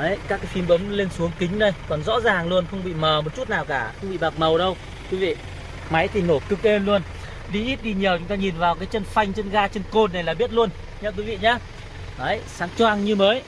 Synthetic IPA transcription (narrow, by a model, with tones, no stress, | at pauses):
ʔə˨˦jkaː˦˥kːaː˨˦jfi˨˧˦nɓə˨˦wŋ͡mle˧nsu˨˦əŋkï˨˦ŋ̟nə˧jkɔ˨˩nzɔ̰˧˥zaː˨˩ŋlu˧ənxə˧wŋ͡mɓḭ˧˨məː˨˩mo˨˩t̚t͡ɕu˦˥t̚naː˨˩wkaː˧˩xə˧wŋ͡mɓḭ˧˨ɓa˨˩k͡p̚mə˨˩wɗə˧w | kwi˨˦vḭ˧˨ | ma˨˦jt̪ʰi˨˩no˧˩kɨ˨˧k̚e˧nlu˧ən | ɗi˧ʔi˦˥t̚ɗi˧ɲi˨˩əwt͡ɕʊ˨˦ŋ͡mt̪aː˧ɲi˨˩nvaː˨˩wkaː˨˦jt͡ɕə˧nfa˧jŋ̟t͡ɕə˧nɣaː˧t͡ɕe˧nko˧nːa˨˩jlaː˨˩ɓi˦˥ət̚lu˧ən | ɲə˧k̬wi˨˦vḭ˧˨ɲaː˧ | ʔə˨˦jsaː˨˦ŋt͡ɕwaː˧ŋɲɨ˧məː˨˦j